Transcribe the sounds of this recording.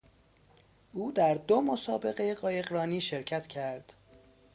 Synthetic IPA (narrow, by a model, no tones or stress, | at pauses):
ʔuːd̪æɾd̪omosɒːbe̞ɣe̞jeɢɒːje̞ɣɾɒːniːʃeɾcʰæt̪ʰcʰæɾd̪̥